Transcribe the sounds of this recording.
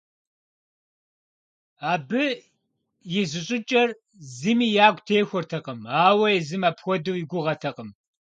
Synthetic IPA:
aːbɨ | jɪzɨɕʼɪt͡ʃʼɐr | zimiːjaːɡʷtʰeːxʷɔrtʰɐqʼəmaːwɐjɛzɨmapxʷɔduwjiɡʷʊʁɐtʰɐqʼəm

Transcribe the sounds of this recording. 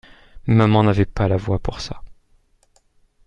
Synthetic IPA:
mamɑ̃navɛpalavwapuʁsa

